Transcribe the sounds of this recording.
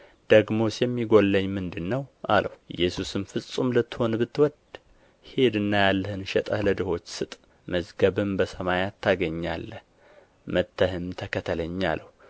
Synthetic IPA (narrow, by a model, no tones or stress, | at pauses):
d̪̥əɡmo̞sjɛmːiɡo̞lːəɲːmɨnd̪ɨnːəwʔa̰ləhuʔɨjːɛsusɨmfɨsʼumlət̪ʰːɨ̥ho̞nbɨt̪ːɨwɔd̪ | he̞d̪ɨnːajalːəhɨnʃɛt̪ʼəhləd̪ɨho̞t͡ʃːsɨt̪ʼ | məzɡəβɨmbəsəmajat̪ʰːaɡəɲːa̰lːəh | mət̪ʰːəhɨmt̪ʰəkʰət̪ʰələɲːa̰ləhu